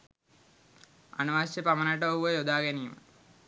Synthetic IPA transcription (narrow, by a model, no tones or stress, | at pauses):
a̰nɐʋaːsjepamənəʈəouʋəjod̪aːɡæniːmə̰